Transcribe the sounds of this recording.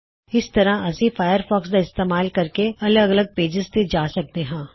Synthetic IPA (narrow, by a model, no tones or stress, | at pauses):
ɪst̪ɐɾãɐsifʰaːjəɾfɔːksd̪aɪst̪eːmaːlkɐɾkeɐləɡɐləɡ̚peːd͡ʒɪzt̪ed͡ʒaːsɐk̚t̪eɦɛ̃ː